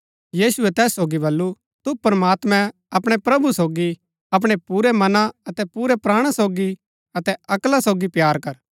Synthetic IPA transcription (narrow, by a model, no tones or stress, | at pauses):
jiːsʊɛt̪ɛːsːoːɡibɐlːu | t̪upɾmaːt̪mɛ̃ | ɐpɽ̃epɾɐbusoːɡi | ɐp̬ɽ̃epuːɾɛmɐnãɐt̪ɛpuːɾɛpɾaːɽ̃asoːɡi | ɐt̪ɛɐklasoːɡipjaːɾkɐɾ